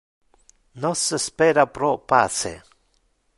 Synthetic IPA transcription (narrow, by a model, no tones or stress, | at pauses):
nosespeɾapɾopa̰sḛ